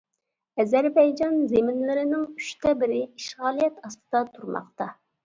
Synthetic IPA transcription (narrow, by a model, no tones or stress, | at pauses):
ɛzɛɾbɛjd͡ʒɑnzemɪnlɪɾɪnɪŋy̥ʃt̪ʰɛbɪɾɪiʃʁɑːlˠijɛt̪ɑst̪ɨ̥d̪ɑt̪ʰuɾmɑ̰qt̪ɑ